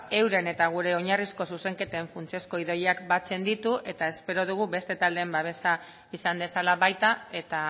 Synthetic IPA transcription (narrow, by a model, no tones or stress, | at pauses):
e̞wɾe̞ne̞t̪aɣ̞uɾe̞o̞ɲarisko̞suse̞ŋke̞t̪eːɱfunt͡sie̞sko̞iðo̞jeakbat͡se̞nd̪it̪uʔe̞t̪ae̞spe̞ɾo̞ð̞uɣ̞uβe̞st̪e̞t̪ald̪embaβ̞e̞sa | isand̪e̞salaβajt̪ae̞t̪a